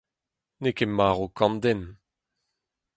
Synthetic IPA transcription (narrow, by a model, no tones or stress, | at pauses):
nekemaːʁokɑ̃nd̪ɛn